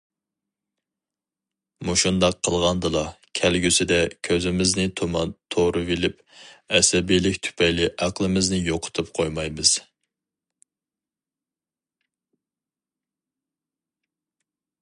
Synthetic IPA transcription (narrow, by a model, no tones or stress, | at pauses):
muʃund̪ɑqʰːəlˠʁɑnd̪ɨlˠɑ | kʲʰælɡʲysɪd̪ɛkʲʰøzɪmɪznɪt̪ʰomɑnt̪ʰoɾɨvilɪp | ɛsɛbijlɪkʲt̪ʰy̥pʰɛjlɪʔæqlˠɨmɪznɪjoqʰʊ̥t̪ʰup̚qʰojmɑjmɨz̥